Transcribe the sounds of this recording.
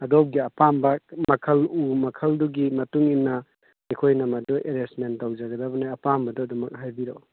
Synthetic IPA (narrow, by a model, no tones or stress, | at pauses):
ɐdop̚ɡiɐpambɐmɐkʰɐlumɐkʰɐlduɡimɐtuŋinːɐ | ikʰojnɐmɐdɔʔeɾesmentːawd͡ʒaɡɐdabɐnajɐpambɐdɔdɐmɐk̚ɦajbiɾow